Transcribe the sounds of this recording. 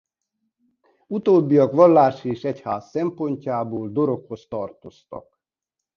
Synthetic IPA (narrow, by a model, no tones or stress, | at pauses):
ut̪oːbːijɒkʋɒlːaːʃieːʃɛchaːsːɛmpo̞ɲcaːboːld̪o̞ɾo̞kho̞st̪ɒrt̪o̞st̪ɒ̰k